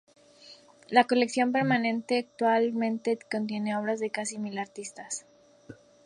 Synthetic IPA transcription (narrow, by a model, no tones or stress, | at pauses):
lako̞leksjo̞mpe̞ɾmanẽ̞nt̪e̞ak̚t̪walmẽ̞nt̪e̞ko̞nt̪̬je̞ne̞o̞β̞ɾazðe̞kasimilaɾt̪ist̪as